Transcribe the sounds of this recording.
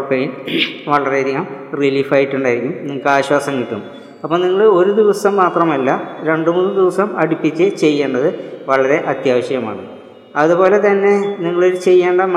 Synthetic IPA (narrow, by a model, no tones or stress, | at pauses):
pːejinʋɐɭɐɾeɐɾijamriliːfaːjiʈːuɳɖaːjiɾikʲːumniŋːɐkːɨaːɕwaːsɐŋːit̪ːum | ɐpːoːniŋːɐɭɨo̞ɾud̪iʋɐsɐmːaːt̪rɐmɐlːɐɾe̞ɳɖɨmuːnːɨd̪iʋɐsɐmɐɽipːit͡ɕːɨt͡ɕe̞jːeːɳɖɐðɨʋɐɭɐɾe̞ʔɐt̪jaːʋɐɕjɐma̰ːɳɨ | ɐðubo̞ːle̞t̪ɐnːe̞niŋːɐɭo̞ɾut͡ɕe̞jːeːɳɖɐm